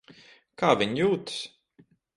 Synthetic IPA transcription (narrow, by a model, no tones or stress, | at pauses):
kaːvʲiɲjuːt̪s